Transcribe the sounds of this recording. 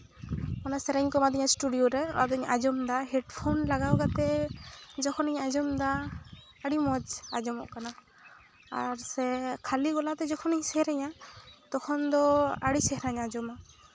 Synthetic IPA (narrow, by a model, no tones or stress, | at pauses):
manasɛɾaɲkɔmad̪ɛɲasʈuɖijoɾɛa̰d̪ɔɲad͡ʒɔmd̪aɦɛɖpʰonlaɡawɡat̪ɛ | d͡ʒɔkʰɔniɲad͡ʒɔmd̪aː | ɽimɔd͡ʒad͡ʒɔmɔʔkana | a̰ɾsɛkʰaliɡɔlat̪ɛd͡ʒɔkʰɔniɲsɛhɾɛɲat̪ɔkʰɔnd̪ɔaɽisɛɦɾaɲad͡ʒɔma